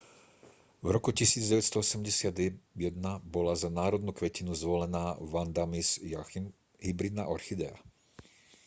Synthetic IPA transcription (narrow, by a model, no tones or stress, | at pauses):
vɾɔkucisiːd͡zɟɛʋɛt̪st̪ɔɔsɛmɟɛsɪad̪jɛd̪nabɔlazanaːɾɔd̪nukʋɛcinuzʋɔlɛnaːʋand̪amiz | ɦibɾid̪naʔɔɾxid̪ɛa̰